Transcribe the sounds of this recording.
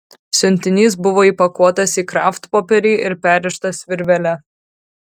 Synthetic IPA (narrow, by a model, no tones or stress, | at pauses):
sʲʊnʲt̪ʲɪnʲiːs̬bʊʋoːiːˑpɐkuɔt̪ɐsiːkɾɑ̰ːft̪poːpʲɛɾʲiːʔɪɾpʲæːɾʲɛɪʃt̪ɐsʲʋʲɪɾʲʋʲɛlʲɛ